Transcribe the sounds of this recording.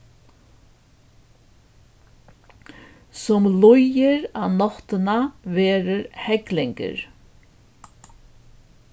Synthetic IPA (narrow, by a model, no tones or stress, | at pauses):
sɔmlʊjɪɾanɔht̪ənaʋeːɾəɾhɛklɪŋkə̰ɾ